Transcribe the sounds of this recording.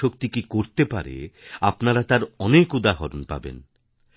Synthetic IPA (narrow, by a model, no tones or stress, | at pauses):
ok̚t̪ikikoɾt̪epa̰ɾḛapnaɾat̪aɾɔnekud̪aɦɔɾonpa̰bḛn